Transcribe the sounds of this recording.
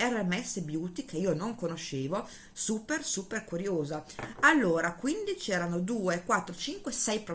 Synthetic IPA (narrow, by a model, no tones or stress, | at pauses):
ɛrɛmːɛsːebjuːt̪ikʰeiːonoŋkonoʃeːvo | suːpersuːperkuɾjoːzaalːoːɾakwind̪it͡ʃɛːɾanod̪uːekwat̪ːɾot͡ʃiŋkwesɛjpɾo